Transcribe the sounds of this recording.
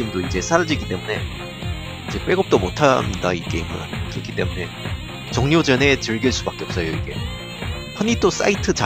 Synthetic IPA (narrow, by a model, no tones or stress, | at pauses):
imdoid͡ʑe̞sʰaɾad͡ʑiɡit͈e̞mune̞ | id͡ʑe̞p͈we̞ɡʌp̚t͈omotʰanda̰ik͈eimɯ̰a̰kɯɾʌkʰit͈e̞mune̞ | t͡ɕʌŋɲod͡ʑʌne̞t͡ɕɯɭɡiɭs͈ubak͈e̞ʌp̚s͈ʌjoiɡe̞̰ | pʰʌɲit͈os͈a̰itʰɯt͡ɕa